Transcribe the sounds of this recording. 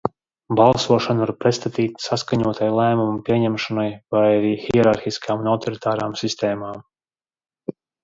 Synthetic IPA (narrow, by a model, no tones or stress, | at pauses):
balˠsuɔʃanuaɾpɾɛt̪st̪at̪iːt̪saskaɲuɔt̪ʰajlˠæːmumpiɛɲɛmʃanajvajaɾiːxiɛɾaɾxiskaːmunawt̪ɔɾit̪aːɾaːmsist̪ɛːmaːm